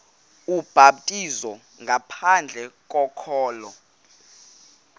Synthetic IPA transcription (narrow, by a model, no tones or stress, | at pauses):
ub̥ʱaɓ̚tʼizɔ | ŋɡʱapʰand͡ɮʱɛkʼɔkʰɔːlɔ